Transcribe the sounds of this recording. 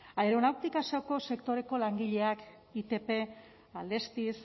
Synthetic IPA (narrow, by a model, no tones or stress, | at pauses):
aeɾo̞nawkt̪ikasoko̞se̞kt̪o̞ɾe̞ko̞laŋɡiʎe̞ak | it̪e̞pe̞ | ald̪e̞st̪is